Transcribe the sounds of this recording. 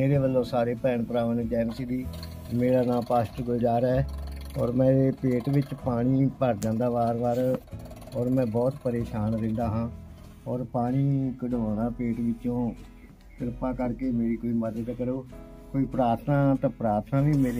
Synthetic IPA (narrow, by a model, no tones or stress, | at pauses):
meːɾeːʋəlːõːsaːɾeːpɛːɳpəɾaːʋəneːd͡ʒɛːmkid̪iː | meːɽaːnãːpaːsʈɡoːd͡ʒaːɾɛːɔ̰ːɾmɛ̃ːepeːʈʋɪt͡ʃpaːɽ̃iːpəɾd͡ʒãːnd̪aːʋaːɾʋaːɾ | ɔːɾmɛ̃ːbɔːt̪pəɾeːʃaːnɾɪ̃ːnd̪aːɦãː | ɔːɾpaːɽ̃iːkəɖoːnaːpeːʈʋɪt͡ʃõː | t̪ɪɾpaːkəɾkeːmeːɾiːkoːiːməd̪ək̪kəɾoː | koːiːpɾaːɾt̪ʰnaːt̪ãːpɾaːɾt̪ʰnaːʋiːmeːɾe